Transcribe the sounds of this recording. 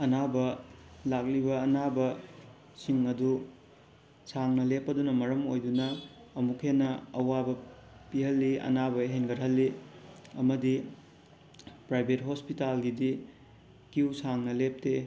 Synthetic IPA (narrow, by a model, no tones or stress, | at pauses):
ɐnabɐlak̚libɐːnabɐ | siŋɐdu | saŋnɐlepːɐdunɐmɐɾɐmojdunɐː | mukʰenːɐɐwabɐpiɦɐlːiɐ̰nabɐɦenɡɐɾɦɐlːiɐmɐdi | pɾajbʱetɦospitalɡidi | kiwsaŋnɐlep̚te